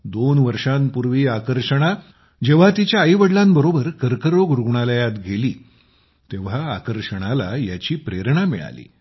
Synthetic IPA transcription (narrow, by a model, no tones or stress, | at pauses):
d̪onʋəɾʂampuɾʋiːakəɾʂəɽ̃a | d͡ʑeʋ̤at̪it͡ɕjaəjʋəɽlambəɾobəɾkəɾkəɾoɡɾuɡɳaləjat̪ɡʱeliː | t̪eʋ̤aːkəɾʂəɽ̃alajat͡ɕiːpɾeɾɳamḭɭa̰lḭː